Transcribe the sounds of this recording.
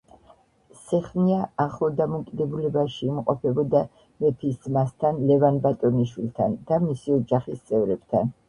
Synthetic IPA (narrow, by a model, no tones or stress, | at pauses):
sɛχniaaχlˠɔd̪amɔkʼid̪ɛbulɛbaʃiːmqʼɔpʰɛbɔd̪a | mɛpʰiszmast̪ʰanlɛvanbat̪ʼɔniʃwilˠt̪ʰa̰nd̪̥amisiɔd͡ʒaχist̪sʼɛvɾɛb̥t̪ʰa̰n